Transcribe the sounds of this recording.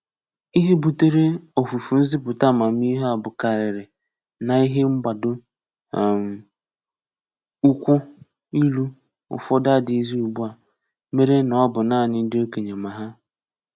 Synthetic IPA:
i˦ɦe˦bu˨te˦ɾe˦o˨fu˨fu˨n̩˦zi˦pʊ˨ta˦˨ma˨m̩˦i˦ɦa˨bʊ˨ka˨ɾɪ˨ɾɪ˨ | na˨i˦ɦe˦ŋ͡m̩˦ɡ͡ba˨dʊ˦˨ | m̩˨ | u˦kʷʊ˦ | i˦lu˦ | ʊ̰˨fɔ˦da˦˨dɪ˨i˦zi˦u˨bu˦a˨ | me˦ɾe˦nɔ˨ɔ˦bʊ˨naː˦˨nɪ˦n̩˦dɪ˦o˦ke˨ɲe˨ma˨ɦa˦

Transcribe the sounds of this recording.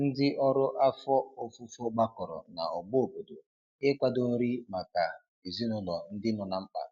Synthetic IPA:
n̩˦dɪ˦ʔɔ˦ɾʊ˦ʔa˦fɔ˦o˦fu˦fɔ˦ɡ͡ba˦kɔ˨ɾɔ̰˨na̰˨ɔ˨ɡ͡bʊ˦o˨bo˨do˨ | ɪ˦kʷa˦do˦n̩˦ɾi˦ma˨ka˨ | i˨zi˦nʊ˦lɔ˨n̩˦dɪ˦nɔ˨na˨m̩˦k͡pa̰˨

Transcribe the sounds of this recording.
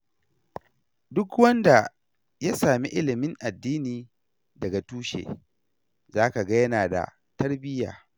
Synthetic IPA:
dʊ˦kwɐ˦nda˨ | ja˦saː˨mi˦ʔɪ˦lɪ˨mɪ˦ŋʔa˨dːiː˦niː˨ | dɐ˨ɡa˨tuː˦ʃḛː˨ | zaː˦ka˨ɡa˦jɐ˦naː˨da̰˨ | tɐ˦rbɪ˦ja̰ː˨

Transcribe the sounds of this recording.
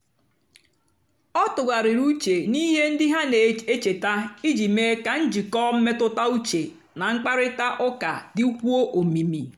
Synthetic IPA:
ɔ˦tʊ˨ɡa˨ɾɪ˨ɾu˦t͡ʃe˨ni˦ɦe˦n̩˦dɪ˦ɦa˦ne˨˦e˦t͡ʃe˨ta˦i˦d͡ʒi˨me˦ka˨n̩˦d͡ʒi˨kɔː˦m̩˦me˦tʊ˦ta˦u˦t͡ʃe˨ | na˨ŋ̩˦k͡pa˦ɾɪ˦ta˦ʔʊ˦ka˨dɪ˦u˦kʷu˦o˦ʔo˨mi˨mi˨

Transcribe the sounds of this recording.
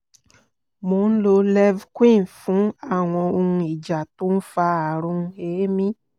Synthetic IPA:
mo˧˦n̩˦lo˧lɛ˦vkwĩ˦˨n˨fũ˨˦a˦˨w̃ɔ̃˧o˧ũ˧i˨d͡ʒa˨to˦n̩˦fa˧a˨ɾũ˧eː˨˦mĩ˦

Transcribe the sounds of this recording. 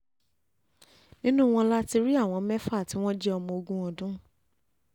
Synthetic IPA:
nĩ˦nũ˦w̃ɔ̃˧la˦ti˧ɾi˦a˦˨w̃ɔ̃˧mɛ˦fa˦˨ti˨˦w̃ɔ̃˦d͡ʒɛ˦ɔ˧mɔ̃˧o˧ɡũ˦ɔ˧dũ˦

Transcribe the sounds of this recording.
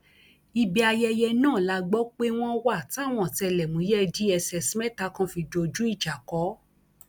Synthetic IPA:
i˧bi˧a˧jɛ˧jɛ˧nãː˦˨la˧ɡ͡bɔ˦k͡pe˦w̃ɔ̃˦wa˦˨ti˦a˦˨w̃ɔ̃˧˨tɛ˧lɛ˨mũ˨˦jɛ˦d͡ʒi˨˦ɛ˧sɛ˧sĩ˦mɛ˦ta˨˧kã˧fi˧do˧˨d͡ʒu˦i˦˨d͡ʒa˨kɔ˨˦

